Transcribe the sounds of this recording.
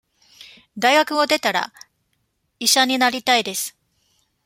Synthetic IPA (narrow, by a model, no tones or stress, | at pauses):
d̪aiɡakɯ̟o̞d̪e̞t̪aɾa̰ | iɕaɲ̟inaɾʲit̪aid̪e̞sɨ̥